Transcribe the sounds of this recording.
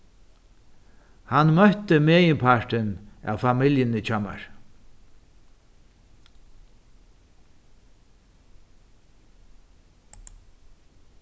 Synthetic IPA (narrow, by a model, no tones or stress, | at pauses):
hanmœht̪əmeːjənpʰaɹʈɪna̰wfamɪljənɪt͡ɕʰama̰ɹ